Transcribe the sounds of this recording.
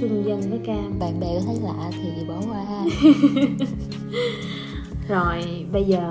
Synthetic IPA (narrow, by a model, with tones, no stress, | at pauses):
ɨ˧ŋzə˧nvəː˨˦kaː˧ɓa̰ː˧˨nɓɛ̰˧˨˦t̪ʰə˨˦jlaː˨˩ʔaː˧˩t̪ʰi˨˩ɗi˨˩ɓə˧˩˦whaː˧ʔaː˧ | zo˨˩j | ɓə˧jzəː˨˩